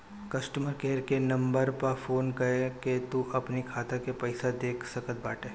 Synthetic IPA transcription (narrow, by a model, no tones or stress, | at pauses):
kɐsʈəməɾkeːɾkenɐ̃mbəɾpɐfoːnkɐeket̪uʔɐpnikʰaːt̪ãkepɐɪsad̪eːkʰsɐkət̪̚baːʈeː